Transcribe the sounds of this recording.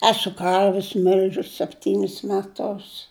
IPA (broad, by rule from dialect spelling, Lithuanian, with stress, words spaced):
ˈæːsʊ ˈkɐrʲʋʲɪs ˈmʲɪlʲʒʲʊs sʲɛpʲˈtʲiːnʲɪs mʲɛˈtʊs